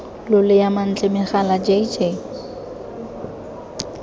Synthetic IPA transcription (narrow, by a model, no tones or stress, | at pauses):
lʊlɪjaman̩t͡ɬʼɪmɪχalad͡ʒeid͡ʒe